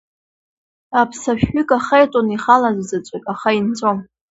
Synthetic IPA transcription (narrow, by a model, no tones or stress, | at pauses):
apʰsaʃᶣʏkʼaχejtʼoniχalazzɨt͡ʃʷʼɪkʼaχaint͡sʷʰʼom